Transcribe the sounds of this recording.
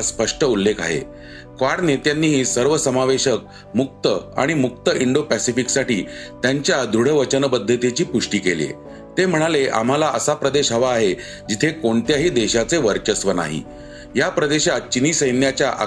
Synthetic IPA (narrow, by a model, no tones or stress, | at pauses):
spəʂʈəulːekʰa̰ɦḛ | kʋaɽnet̪janːiːɦiːsəɾʋəsəmaʋeɕək̚ | muk̚t̪əa̰ɽ̃imukt̪əʔiɳɖopæsifiksaʈḭːt̪jaɲt͡ɕjad̪uɽ̤əʋət͡ɕənbəd̪ʱːət̪it͡ɕiːpuʂʈiːkeljḛ | t̪em̤əɽ̃aleʔa̰m̤alaʔəsapɾəd̪eɕɦəʋaːɦe | d͡ʑit̪ʰekoɳt̪jaɦiːd̪eɕat͡seʋəɾt͡ɕəsʋəna̰ɦḭ | japɾəd̪eɕat̪̚t͡ɕiniːsəjnjat͡ɕjaʔa̰